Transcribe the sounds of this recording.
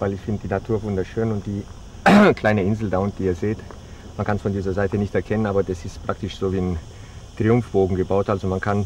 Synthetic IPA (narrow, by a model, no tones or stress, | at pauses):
vaɪlɪçfɪndəd̥iːnatʰuːɐvʊndɐʃøːnʊnt̚d̥iː | kʰl̥aɪnəɪnzl̩daʊnt̚d̥iːɐzeːt | mankʰansfɔndiːzɐzaɪtənɪçtɛɐkʰɛnənaːbɐdasɪstpʁ̥aktɪʃz̥oːviːn | tʁ̥iʊmfb̥oːɡŋ̩ɡəbaʊtʔalzomankʰan